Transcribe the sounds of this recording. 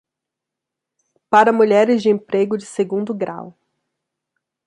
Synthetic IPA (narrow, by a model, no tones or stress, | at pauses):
paɾɐmuʎɛɾɪzd͡ʒɪẽpɾeɡʊd͡ʒɪseɡũnd̪ʊɡɾa̰w